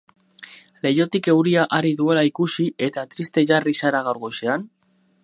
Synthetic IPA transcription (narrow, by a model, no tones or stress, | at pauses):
le̞jo̞t̪ike̞wɾiaʔaɾiðue̞laikusie̞t̪at̪ɾist̪e̞ʝarisaɾaɣawɾɣo̞jse̞an